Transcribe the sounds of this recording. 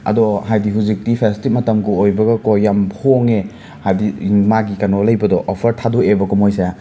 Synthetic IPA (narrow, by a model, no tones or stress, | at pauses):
ɐ̰dɔɦajdiɦuzik̚tipʰestimɐtɐmɡuojbɐɡɐkojːamʰoŋe | hajdimaɡikɐnolɐjbɐdɔʔːpʰɐɾtʰadoebɐkumojsaja